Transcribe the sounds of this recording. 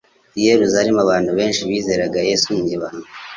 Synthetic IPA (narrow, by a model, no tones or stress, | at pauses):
jeɾuzaɾimaβaːnduβe̞ːnʃiβiːze̞ːɾaɡajeːsumɲeβanu